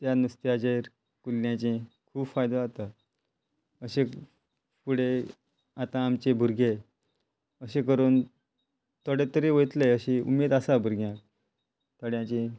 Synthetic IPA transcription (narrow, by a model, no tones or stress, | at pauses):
t̪janust̪jat͡ɕeɾ | kulːjãt͡ɕẽ | kʰuːbfajd̪ãat̪a | əɕe | puɽ̤e | at̪ãːmt͡ɕebʱuɾɡʱe | əɕekəɾuːn | t̪əɽet̪əɾeʋəjt̪leəɕiṵmed̪asabʱuɾɡʱjã | t̪əɽjãt͡ɕẽ